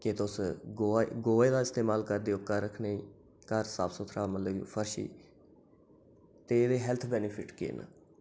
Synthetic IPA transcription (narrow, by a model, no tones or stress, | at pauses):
ket̪ʊsɡoɡoːeːd̪aːɪst̪eːmaːlkəɾd̪eːʊkːaːɾəkʰneĩː | kəɾsa̰ːbsʊt̪ʰɾaːmət̪ləɡpʰəɾʃḭː | t̪eːd̪eːɦɛlt̪ʰbɛːnɪpʰɪʈkɪ̰n